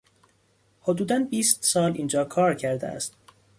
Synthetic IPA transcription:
hod̪uːd̪ænbiːst̪sɒːliːnd͡ʒɒːkʰɒːɾcʰæɾd̪ḛæ̰st̪̚

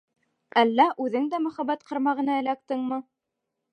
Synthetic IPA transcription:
ʔælːæʔʉðɘŋd̪æmɵ̆χæbæt̪qɑ̆ɾmɑʁɤ̆nɑɘ̆læk̚t̪ɘŋmɤ

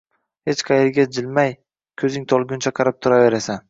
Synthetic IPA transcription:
het͡ʃqʰɑjeɾɡʲad͡ʒɪlmaj | kʲʰɵzɪŋt̪ʰɒlˠɡʲʊnt͡ʃʰaqʰɑɾɪp̚t̪ʰʊɾave̞ɾasan

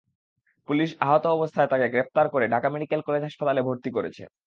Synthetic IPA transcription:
puliʃaɦot̪oɔbost̪ʰaet̪akeɡɾep̚ʰt̪aɾkoɾeɖʱakameɖikelkɔled͡ʑɦaʃpat̪alebʱoɾt̪ikoɾḛt͡ɕʰḛ

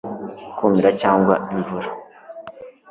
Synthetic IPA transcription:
kʰumiɾacaːŋɡwa̰iɱvuɾḁ

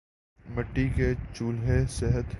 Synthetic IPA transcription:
məʈːiket͡ʃuːlɦesɪɦət̪

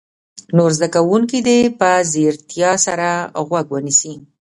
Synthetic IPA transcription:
noɾzd̪akawuŋkid̪epəzeɾt̪jɑsaɾaɣwaɡwənisi

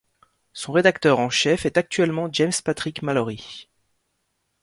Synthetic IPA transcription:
sɔ̃ʁed̪akt̪œʁɑ̃ʃɛfɛt̪ak̚t̪ɥɛlmɑ̃d͡ʒɛmspat̪χikmalɔʁi

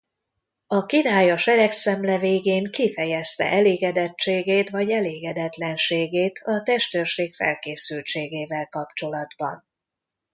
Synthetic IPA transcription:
ɒkid̪aːjoʃɛɾɛksɛmlɛveːɡeːŋkifɛjɛst̪ɛ̰ʔɛleːɡɛd̪ɛt͡ʃt͡ʃːeːɡeːt̪vɒɟɛleːɡɛd̪ɛt̪lɛnʃeːɡeːt̪ʰɒt̪ɛʃt̪ørʃeːkfɛ̰lkeːsylt͡ʃeːɡeːvɛlkɒpt͡ʃo̞lɒd̪bɒ̰n

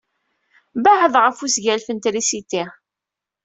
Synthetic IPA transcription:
baħəðˤʁəfusʝælfənt̪ɾisit̪ɪ

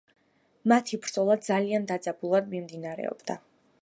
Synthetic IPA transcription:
mat̪ʰibɾd̪z̥ɔlˠad̪̚zaliand̪ad̪zʼabulˠad̪mimd̪inaɾɛ̰ɔ̰b̥d̪a̰

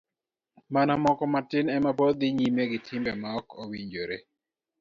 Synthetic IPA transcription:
manamɔkɔmatɪnɛmapod̪iɲimeɡɪtʰɪmbɛmaɔkʰowiɲd͡ʒoɾḛ

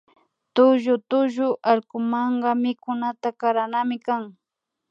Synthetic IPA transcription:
t̪ʊʒʊt̪ʊʒʊʔaɾkʊmɑɴɢɑmɪkʊnat̪akaɾanamɪkaŋ

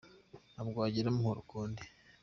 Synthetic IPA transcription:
nabɡwaːɟiɾemuhuɾukuːndi

